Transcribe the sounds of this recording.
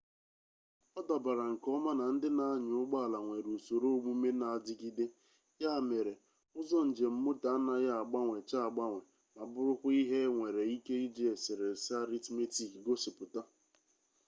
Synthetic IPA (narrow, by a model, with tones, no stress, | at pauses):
ɔ˦da˨ba˨ɾa˨ŋ̩˨kɔ˦ma˦na˨n̩˦dɪ˦na˨a˦ɲ˨ʊ˦ɡ͡ba˦˨la˨ŋʷe˨ɾu˨so˨ɾo˦ɡ͡bu˦me˦na˨a˨d͡ʒɪ˦ɡi˦de˦ | ja˦a˨me˨ɾe˨ | ʊ˦zɔ˦n̩˨d͡ʒe˨m̩˦mʊ˦ta˨a˦na˦ja˦a˨ɡ͡ba˦ŋʷe˨t͡ʃa˦a˨ɡ͡ba˦ŋʷe˨ | ma˨bʊ˦ɾʊ˦kʷʊ˦i˦ɦe˦ŋʷe˨ɾe˨i˦ke˦i˦d͡ʒe˦e˨sɪ˨ɾe˨sa˦ɾi˦tme˦ti˦˨kɡo˦sɪ˨pʊ˨ta˦